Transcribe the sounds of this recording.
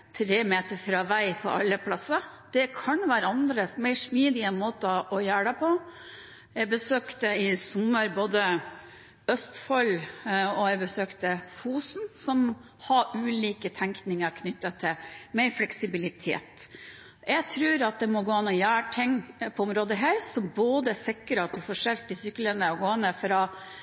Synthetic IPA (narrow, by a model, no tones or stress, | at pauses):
t̪ʰɾeːmeːt̪əɾfɾɑːʋæɪpʰɔ̰ʔɑ̰lːəpʰlɑsəd̪̥ɛkʰɑnʋæːɾəɑnd̪ɾəsmæɪʂmiːd̪ɪəmoːt̪ɑʔɔjæːɽəpʰɔ | jæɪbəsøːkt̪əɪsɔmːəɾboːd̪ə | œst̪fɔlɔjæɪbəsøːkt̪əfuːsnsɔm | hɑʉːliːkət̪ʰæŋknɪŋəɾkʰnʏt̪ːɑt̪ʰɪmɛɪɾflɛksɪbɪlɪt̪ʰḛːt̪ | jæɪt̪ʰɾʉːɾɑt̪̚d̪ɛmɔɡoːɑnːɔjæːʈʰɪŋpʰɔʊmɾoːd̪əɦæːɾsɔmboːd̪əsɛkːəɾɑt̪ʰɪfɔʂɛlt̪ɪsʏkːələnəɔɡoːɛnəfɾɑ